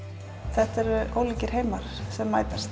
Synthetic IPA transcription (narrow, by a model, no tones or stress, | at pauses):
θɛht̪ɛɾʏʔoːwliːcɪɾ̥heːjmaɾ̥sɛmːaːjt̪ast̪